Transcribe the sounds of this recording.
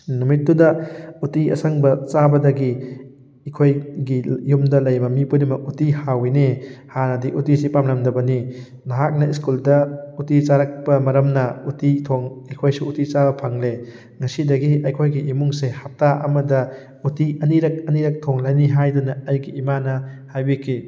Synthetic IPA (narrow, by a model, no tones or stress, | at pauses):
numit̚ːdudɐutiɐ̰saŋbɐt͡ʃabɐdɐɡi | ikʰojɡijumdɐlɐjmɐmipudimɐutihawinehanɐdiʔutisipamlɐmdɐbɐni | nɐɦak̚nɐiskuldɐutit͡ʃaɾɐk̚pɐmɐɾɐmnɐutitʰoŋɐjkʰojsuutit͡ʃabɐpʰaŋle | ŋɐsidɐɡiɐjkʰojɡiʔimuŋsehap̚taʔɐmɐdɐ | utiɐniɾɐk̚ɐniɾɐk̚tʰoŋlajniɦajdunɐajɡiːmanɐhajbikʰi